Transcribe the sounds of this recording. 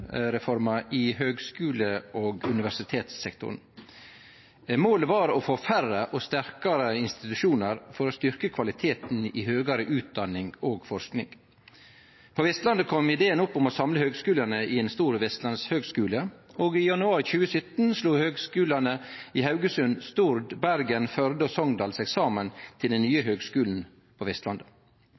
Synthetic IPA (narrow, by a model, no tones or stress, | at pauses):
ɾɛfɔɾmɑʔɪɦøːɡskʉːləʔoːɡʉnɪʋæʂɪt̪ʰeːt̪sːɛkt̪ʰʊ̰ɾən̩ | moːləʋɑɾɔfoːfærəʔɔst̪æɾkɑɾəɪnst̪ɪt̪ʉʂuːnəɾfɔɾɔst̪ʏɾkəkʰʋɑlɪt̪ʰeːt̪n̩ɪhøːɡɑɾəʔʉːt̪̚d̪ɑnːɪŋoːɡfɔɾʂknɪ̰ŋ | pʰoːʋɛst̪lɑnd̪əkʰɔmɪd̪eːənʊpːʊmɔsɑmləhøːɡskʉːlənəʔɪeːnst̪uːɾʋɛst̪lɑnshøːɡskʉːləoːɡɪjɑnʉɑːɾçʉːəsœt̪n̩sluːhøːɡskʉːlənəɪɦɑʉɡəsʉnst̪uɾd̪bæɾɡənfœɾd̪əsɔŋd̪ɑːlsɛksɑːmənt̪ʰɪld̪ɛnnːyːəɦøːɡskʉːln̩ | pʰoʋɛst̪lɑnd̪ə